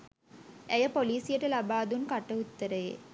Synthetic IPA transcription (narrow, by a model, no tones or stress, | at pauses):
æjəpoliːsijəʈəlabaːd̪unkaʈːəut̪ːəɾəjḛ